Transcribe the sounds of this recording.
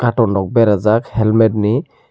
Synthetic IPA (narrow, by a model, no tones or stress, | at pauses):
katɔnɔk̚bɛɾazakhɛlmɛdni